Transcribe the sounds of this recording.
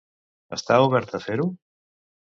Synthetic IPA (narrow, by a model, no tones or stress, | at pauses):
əst̪auβɛɾt̪əfeɾu